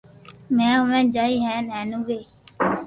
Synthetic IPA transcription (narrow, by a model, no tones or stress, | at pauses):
mɛ̃ːʊmẽːd͡ʒaːiːɦɛ̃ːnɛːnũːɡeː